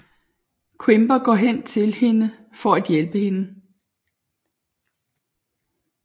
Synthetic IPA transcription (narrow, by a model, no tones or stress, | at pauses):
kʰwemb̥ɐɡ̥ɒ̰ɦen̰t͡sʰe̝lhe̝nə | fɒ̽æd̥jelb̥əhe̝nə